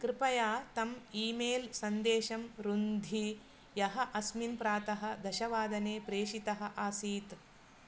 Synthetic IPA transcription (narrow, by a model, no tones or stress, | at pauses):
kɾɪpɐjaːt̪ɐmiːmeːlsɐnd̪eːʃɐmɾund̪ʱi | jɐɦɐʔɐsminpɾaːt̪ɐɦɐ̆d̪ɐʃɐʋaːd̪ɐneːpɾeːʃit̪ɐɦɐ̆ʔaːsiːt̪